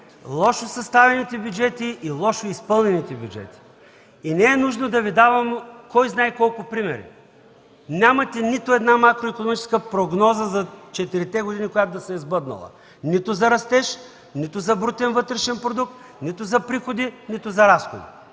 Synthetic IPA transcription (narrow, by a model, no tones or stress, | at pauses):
lˠɔʃosɐst̪avɛnit̪ɛbʲjud͡ʒɛt̪iʔilˠɔʃoispɤlˠnɛnit̪ɛbjud͡ʒɛ̰t̪i̥ | inɛɛnuʒnod̪ɐvid̪avɐmkɔjznajkɔlˠkʊpɾimɛɾḭ | nʲamɐt̪ɛnit̪ʊɛd̪namakɾoikonomit͡ʃɛ̥skəpɾoɡnɔzəzɐt͡ʃɛt̪iɾit̪ɛɡʊd̪inikoʊjat̪ʊd̪ɐsɛizbɤd̪nɐ̰lˠɐ̰ | nit̪ʊzɐɾɐst̪ɛʃ | nit̪ʊzɐbɾut̪ɛnvɤt̪ɾɛʃɛnpɾod̪uk̚t̪ | nit̪ʊzɐpɾixod̪init̪ʊzɐɾasxo̰d̪ḭ